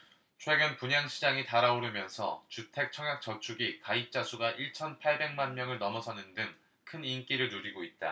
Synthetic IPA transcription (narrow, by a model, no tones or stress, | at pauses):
t͡ɕʰwe̞ɡɯnpuɲaŋɕʰid͡ʑaŋitaɾaoɾɯmjʌnsʰʌ̰t͡ɕutʰe̞k̚t͡ɕʰʌŋjak̚t͡ɕʌt͡ɕʰuɡikait͡ɕ͈asʰuɡaʔiɭt͡ɕʰʌnpʰaɭbe̞ŋmanmjʌŋɯɭnʌmʌsʰʌnɯndɯŋ | kʰɯnink͈iɾɯɭnuɾiɡoit̚t͈a̰